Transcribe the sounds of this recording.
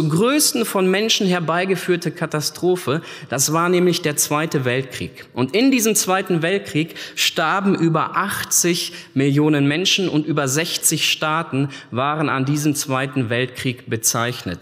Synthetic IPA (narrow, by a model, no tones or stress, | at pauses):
t͡suːɡʁøːstn̩fɔnmɛnʃn̩hɛɐbaɪɡəfyːɐtəkʰatastʁ̥oːfə | d̥asv̥aːɐnɛːmlɪçd̥eːɐt͡sv̥aɪtəvɛlt̚kʁ̥ḭːk | ʔʊntɪndiːzəmt͡sv̥aɪtn̩vɛlt̚kʁ̥iːkʃtaɐbm̩ʔyːbɐʔaχt͡sɪç | mɪljoːnənmɛnʃn̩ʊ̰ntʔyːbɐzɛçt͡sɪçʃtaːtn̩vaːʁəna̰ndiːzəmt͡sv̥aɪtn̩vɛltkʁ̥iːkb̥ət͡saɪçnə̰t